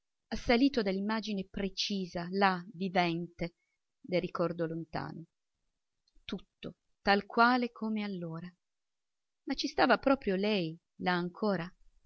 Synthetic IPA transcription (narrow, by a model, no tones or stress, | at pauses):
asːaliːt̪od̪alːimːaːd͡ʒinepɾet͡ʃiːzalavivɛnt̪e | d̪erikɔrd̪olont̪a̰ːno | t̪ut̪ːo | t̪alkwaːlekʰomealːoːɾa | mat͡ʃːist̪aːvapɾɔːpɾjolɛj | laːŋkʰoːɾa